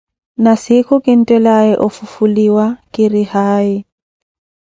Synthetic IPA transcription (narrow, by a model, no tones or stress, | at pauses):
nasɪkʰʊkʼɪn̩tʼɛlaɛʔʊfʊfuliwakʼɪrɪhaːɪ